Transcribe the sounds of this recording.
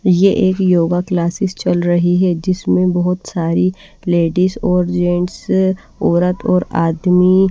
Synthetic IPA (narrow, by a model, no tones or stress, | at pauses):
jeʔeːkjoːɡaklaːsɪst͡ʃɐlɾɐɦiɦɛd͡ʒɪsmẽbɐɦʊt̪saːɾi | leːɖizɔːɾd͡ʒẽːɳʈs | ɔːɾət̪ʰɔːɾaːd̪mi